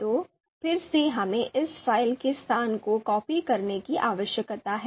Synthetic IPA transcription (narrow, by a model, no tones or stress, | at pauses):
t̪oː | fɪɾseɦɐmẽʔɪsfaːɪlkest̪aːnkokɔːpikɐɾnekiʔaːʋəʃjəkt̪aɦɛː